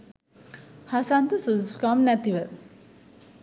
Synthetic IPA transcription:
hasant̪əsudsu̥kamnæt̪iʋə

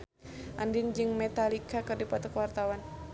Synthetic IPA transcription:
ʔandind͡ʒɨŋmɛt̪alikakardipat̪ɔkəwart̪awan

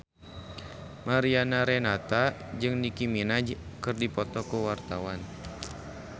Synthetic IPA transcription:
maɾianaɾɛnat̪a | d͡ʒɨŋdikiminad͡ʒkɨrdipɔt̪ɔkuwart̪awan

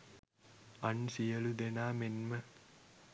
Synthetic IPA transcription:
ɐnsijɐlud̪enaːmenmə

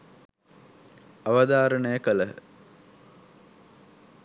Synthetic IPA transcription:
aʋəd̪aːɾənəjəkələ

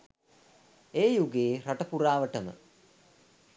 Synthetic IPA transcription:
eːjuɡeːɾaʈəpuɾaːʋəʈəmə̰

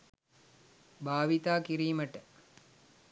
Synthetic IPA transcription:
bʱaːʋit̪aːkiɾiːməʈə

